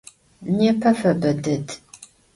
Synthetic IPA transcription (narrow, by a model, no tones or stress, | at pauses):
neːpʰɐfɐbɐdɨd